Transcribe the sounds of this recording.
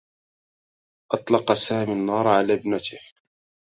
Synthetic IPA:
ʔɑt̪ˤlɑqɑsaːminːɑːɾˤʕalaːbnat̪ɪh

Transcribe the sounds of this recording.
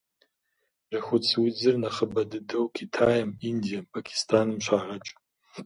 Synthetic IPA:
rɐxʷʊt͡sʰwid͡zɨrnɐχəbɐdɨdɐwkʰitʰaːjɐmindijɐmpʰakʲʰi̥stʰaːnɨmɕʷaːʁɐt͡ʃʼ

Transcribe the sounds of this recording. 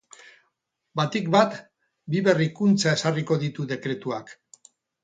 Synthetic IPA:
bat̪ikbat̪ | biβe̞rikunt͡sae̞sariko̞ðit̪uðe̞kɾe̞t̪uak

